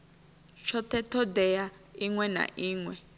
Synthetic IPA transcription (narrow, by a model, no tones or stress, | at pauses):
t͡ʃʰɔt̪ɛtʰɔdɛja | iŋwɛna̰ʔiːŋwɛ